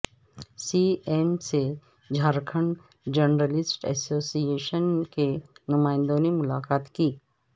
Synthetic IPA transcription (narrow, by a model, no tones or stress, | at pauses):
siːeːmse | d͡ʒʱaːɾkʰəɳ | d͡ʒənɾəlɪsʈɛ̰soːsieːʃənkenʊmaːɪ̃nd̪õnemʊla̰ːkaːt̪kiː